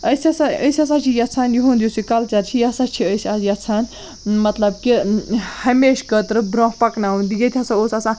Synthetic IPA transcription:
əsɐsãəjsiɐs̬ãːt͡ʃʰijɐt͡sʰaːnjuɦũnd̪jusikɐlt͡ʃɐɾt͡ʃʰijɐsaːt͡ʃʰiəjsʲɐjɐt͡sʰaːn | mɐt̪lɐb̚kihɐmeːʃkət̪ɾɨbɾõːɦpɐknaɦũnd̪ijɐt̪ʲʰɐsaoːsɐsãː

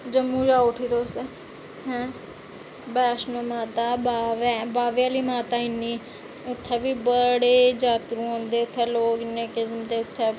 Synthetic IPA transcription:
d͡ʒəmːũːd͡ʒaːʊʈʰiːt̪oːse | ɦɛ̃ː | bɛːʃnõːmaːt̪aːbaːʋɛːbaːʋjaːliːmaːt̪aːɪnːiː | ʊt̪ʰːɛːʋiːbəɽeːd͡ʒaːt̪ɾũːõːnd̪eːʊt̪ʰːɛːloːɡɪneːkɪsmd̪eːʊt̪ʰːɛː

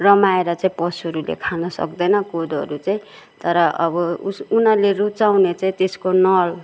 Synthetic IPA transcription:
rʌmaeɾʌt͡saĩpʌsɦʌɾulḛkʰanʌsʌ̰kd̪ʌjnʌkod̪ʌ̰ɾut͡saĩ | t̪ʌɾʌʔʌbʌusunʌlerut͡sawnet͡saĩt̪eskonʌl

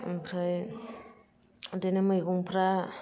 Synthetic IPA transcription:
pʰɾaj | denemajɡuŋpʰɾa

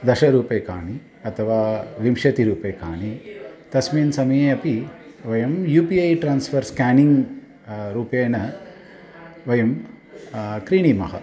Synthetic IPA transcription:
d̪ɐʃɐɾuːpeːkaːɳi | ɐt̪ʰɐʋaːʋimʃɐt̪iɾuːpeːkaːɳit̪ɐsmiːnsɐmɐjeːɐpi | ʋɐjɐmjuːpiɐjʈɾaːnsfʰɐɾskaːniŋɡ | ɾuːpeːnɐ | ʋɐjɐm | kɾiːɳimɐɦɐ̰

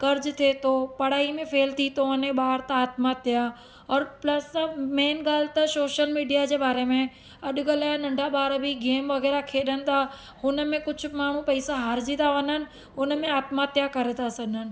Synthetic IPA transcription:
kɐɾd͡ʑt̪ʰeːt̪opɐɽ̤aːimẽfʰeːlt̪ʰit̪oʋɐnẽɓaːɾt̪aaːt̪mat̪ɪja | ɔːɾplɐsɐmeːnɡaːlɪt̪ɐsoːʃəlmiːɖijad͡ʑeːbaːɾemẽ | ɐɗʊɡəlaːnɐ̃ɳɖʱaɓaːɾbiɡeːmʋɐɣɛːɾakʰeːɗənɪ̆t̪ʰa | hʊnəmẽkʊd͡ʑʱʊ̆maːɳ̤ũpɐisaɦaːɾd͡ʑit̪aʋɐnənɪ̆ | ʊnmẽaːt̪mat̪jakɐɾet̪ʰasɐɠɪnənɪ̆

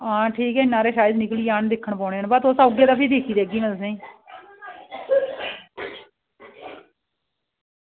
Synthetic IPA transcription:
ɦãːʈʰiːkɛːɪnːaːɾeːʃaːjəd̪nɪkliːaːnd̪ɪkʰːəɳpɔ̃ːɳeːənbət̪osaːɡeːd̪aːpʰiːd̪eːkʰiːd̪eːɡiːmɪlsẽː

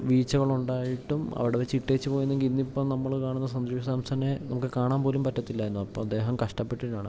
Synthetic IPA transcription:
ʋiːt͡ɕːɐɣɐɭuɳɖaːjiʈːumɐ̰ʋiɽeʋet͡ɕːiʈːet͡ɕːɨpoːjunːeŋɡilinːipːoːnɐmːɐɭkaːɳunːɐs̬ɐnd̪ɾiːjɐsaːmsɐnenɐmukːɨkaːɳaːnpo̞ːlumpɐtːɐt̪ːilːajɾunːuɐpːoːɐd̪ːe̞ːɦɐmkɐʂʈɐpːeʈːinaːɳ

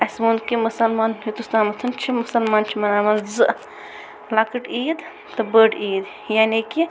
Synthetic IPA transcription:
ɐsmuːnkimusɐlmaːnɦit̪ust̪aːmɐt̪ʰɐnt͡ʃʰimusɐlmaːnt͡ʃʰimɐnaːmɐnzɨ | lakɨʈiːd̪ | t̪ɨbəːɖiːd̪ | jaːniki

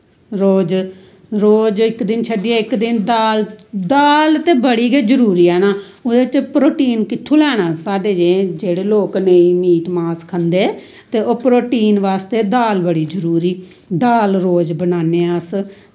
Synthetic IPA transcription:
ɾoːd͡ʒ | ɾoːd͡ʒɪkd̪ɪnt͡ʃʰəɖiːɛɪkd̪ɪnd̪aːld̪aːlt̪eːbəɽiːɡeːd͡ʒəɾuːɾiːɛːnaː | oːd̪eːt͡ʃpɾoːʈiːnkɪt̪ʰːuːlɛːɽãːsaːɖeːd͡ʒẽːd͡ʒeːɽeːloːkneiːmiːʈmaːskʰənd̪eː | t̪eːʔoːpɾoːʈiːnʋaːst̪eːd̪aːlbəɽiːd͡ʒəɾuːɾiː | d̪aːlɾoːd͡ʒbənaːneːs

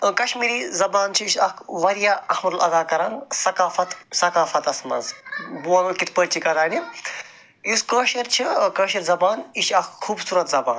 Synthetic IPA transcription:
kɐʃmiːɾizɐbaːnt͡ʃʰiiʃɐkʰʋɐɾjaːɐhmɐɾulɐd̪aːkɐɾaːŋsɐkaːfɐt̪sɐkaːfɐt̪ɐsmɐ̰nzbuãːnɐlkit̪ʰpɐɾt͡ʃʰikɐɾaːni | jiskəːʃɐɾt͡ʃʰikəːʃɐɾzɐbaːniʃɐkxʰuːbsuːɾɐt̪zɐbaːn

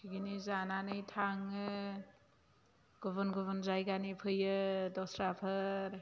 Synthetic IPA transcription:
kʰiɡinizananɯjtʰaŋɯ | ɡ̥ɔβɯnɡɔβɯnzajɡanipʰɯjɯdɔsɾapʰɯɾ

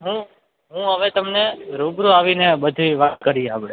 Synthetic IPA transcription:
ɦũ | ɦũɦəʋet̪əmneɾubɾuaʋinebəd̪ʱiʋat̪̚kəɾiabɽe

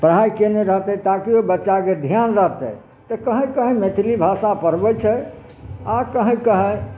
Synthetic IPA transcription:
pɾəɦajkeneɾəɦt̪ɛt̪akiobətːʃaked̪ʱjanɾəɦt̪ɛ̰ | t̪əkəɦə̃jkəɦə̃met̪ʰilibʱasapəɾbɛt͡ʃʰɛ | akəɦə̃kəɦə̃j

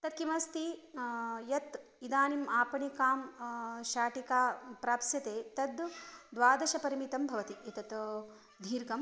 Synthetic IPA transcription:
t̪ɐt̪̚kimɐst̪i | jɐt̪ | id̪aːnimaːpɐɳikaːmʃaːʈikaːpɾaːpsjɐt̪eːt̪ɐd̪d̪ʋaːd̪ɐʃɐpɐɾimit̪ɐmbʱɐʋɐt̪iʔit̪ɐt̪ | d̪ʱiːɾɡɐm

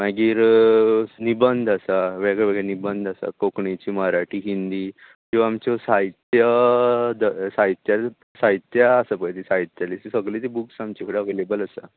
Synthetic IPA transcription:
maɡiːɾ | nibənd̪ʱasaʋɛɡeʋeɡenibənd̪asa̰kokɳit͡ɕiːməɾaʈiːɦind̪iː | kĩʋaamt͡ɕɔsait̪jəd̪əsait̪ja | saɦit̪jaːsəpət̪isait̪jaliisəɡlit̪ibuksamt͡ɕekʰɽaʋelebələsa̰

